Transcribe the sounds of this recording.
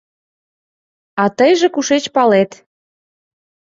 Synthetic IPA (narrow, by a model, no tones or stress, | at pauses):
ɑt̪əjʒĕkuʃet͡ɕpɑlet̪